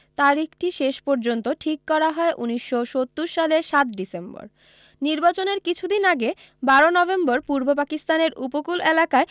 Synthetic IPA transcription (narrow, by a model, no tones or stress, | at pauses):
t̪aɾikʰʈiʃeʃpɔɾd͡ʑont̪oʈʰikːɔɾaɦɔeʔuniʃːoʃot̪ːuɾʃaleɾʃat̪ɖisembo̰ɾ | niɾbat͡ɕoneɾkit͡ɕʰud̪inaɡe | baɾonɔbemboɾpuɾbopakist̪aneɾupokulelakae